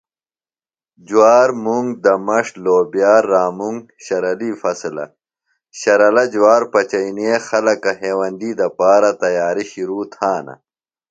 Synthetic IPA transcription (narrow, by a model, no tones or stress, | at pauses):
d͡ʑuwaːɾmuŋɡ̚d̪ɐmɐʂloːbijaːɾːaːmuŋɡ | ɕɐɾɐlifɐslɐ̰ | ɕɐɾɐlɐd͡ʑwaːɾpɐt͡ɕɐiniexɐlɐkɐɦeːwɐnd̪iːd̪ɐpaːɾɐt̪ɐjaːɾiɕiɾuːt̪ʰaːnɐ̰